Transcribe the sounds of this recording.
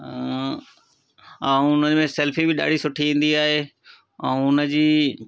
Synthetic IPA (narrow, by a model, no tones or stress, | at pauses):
ãʊnəmẽsɛlfibɪɗa̰ːɖʱisʊʈʰiẽːn̆d̪iaːɦeː | ɛ̃ːʊnəd͡ʑiː